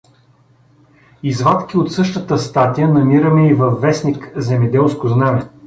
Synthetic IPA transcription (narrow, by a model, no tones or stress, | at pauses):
izvat̪kʲiot̪sɤʃt̪ət̪əst̪at̪ijənɐmiɾəmɛivɐfːɛsnikzɛmɛd̪ɛlˠskʊznamɛ